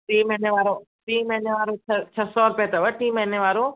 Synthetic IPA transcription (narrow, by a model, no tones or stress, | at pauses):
ʈiːmɛneʋaːɾoː | ʈiːmɛneʋaːɾoːət͡ʃʰəsɔːɾʊpeːt̪əʋəʈiːmeneʋaːɾoː